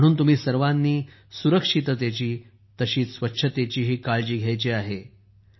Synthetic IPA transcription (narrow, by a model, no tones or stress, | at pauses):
ɽ̃uːnt̪um̤iːsəɾʋanːiː | suɾəkʂit̪t̪jat͡ɕiː | t̪əɕiːsʋətːɕʰət̪et͡ɕiːɦiːkaɭd͡ʑiːɡʱjajt͡ɕiːaɦe